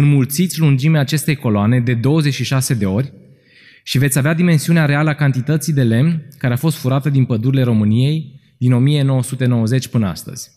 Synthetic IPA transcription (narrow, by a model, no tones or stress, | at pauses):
ɨnmult̪sit̪sʲlund͡ʒimeaːt͡ʃe̞st̪e̞jko̞loane̞d̪e̞d̪o̞wəzet͡ʃʲʃiʃase̞d̪e̞o̞rʲ | ʃivet̪sʲavead̪ime̞nsiuneaɾealəakant̪it̪ət̪sijd̪e̞le̞mnkaɾeafo̞st̪fuɾat̪əd̪inpəd̪uɾile̞ɾo̞mɨnije̞j | d̪ino̞mije̞no̞wəsut̪e̞nowəze̞t͡ʃʲpɨnəa̰st̪ə̰z̥ʲ